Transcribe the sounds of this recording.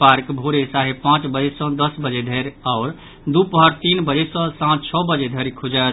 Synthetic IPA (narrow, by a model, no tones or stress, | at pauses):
paɾkbʱoɾesaɦepãt͡ʃbəd͡ʒesə̃d̪əsbəd͡ʒed̪ʱeɾaʊɾ | d̪upəɦəɾt̪inbəd͡ʒesə̃sãt̪t͡ʃʰɔbəd͡ʒed̪ʱeɾkʰud͡ʒə